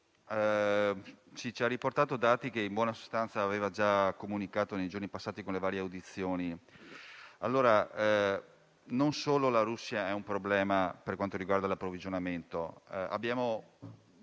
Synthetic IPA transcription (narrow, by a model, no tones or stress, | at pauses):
ɛ | t͡ʃit͡ʃiarːiport̪aːt̪od̪aːt̪ikeimbwɔːnaso̥st̪ant̪saːveːvad͡ʒakomunikaːt̪onejd͡ʒornipasːaːt̪ikonlevaːɾjeawd̪it̪sːjoːni | alːoːɾa | nonsoːlolaɾusːiaɛumpɾoblɛːmaperkwant̪oɾiɡward̪alapːɾovid͡ʒonament̪oa̰bːjaːmo